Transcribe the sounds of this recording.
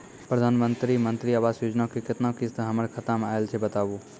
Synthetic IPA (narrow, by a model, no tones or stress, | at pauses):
pɾəd̪ʱaːnmə̃nt̪ɾimə̃nt̪ɾiaːʋaːsjoːd͡ʒnakekɪt̪nakɪst̪ɦəməɾkʰət̪əmaːelt͡ʃʰebət̪aːbu